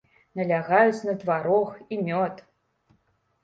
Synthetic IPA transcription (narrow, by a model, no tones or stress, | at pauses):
nɐlʲaɣajut͡sʲnɐd̪vaɾɔximʲɔt̪